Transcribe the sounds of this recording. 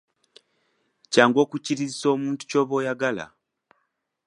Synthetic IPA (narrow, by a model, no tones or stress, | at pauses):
caːŋɡo̞ːkuciɾiziso̞ːmuːntu̥co̞ːβo̞ːjaɡala̰